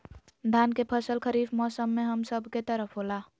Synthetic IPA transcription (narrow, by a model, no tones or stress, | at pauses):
d̪ʱankepʰəsəlkʰəɾibmɔsəmːeɦəmsəbʱket̪əɾəpʰɦola